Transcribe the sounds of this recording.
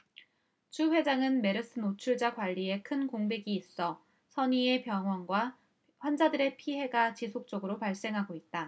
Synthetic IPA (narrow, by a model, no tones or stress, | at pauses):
t͡ɕʰuɸwe̞d͡ʑaŋɯnme̞ɾɯs͈ʰɯnot͡ɕʰuɭd͡ʑakwaʎːie̞kʰɯnkoŋbe̞ɡiːs͈ʌ | sʰʌɲie̞pjʌŋɦwʌnɡwa | ɸwand͡ʑadɯɾe̞pʰiɦe̞ɡat͡ɕisʰok̚t͡ɕ͈oɡɯɾopaɭs͈e̞ŋɦaɡoit̚t͈a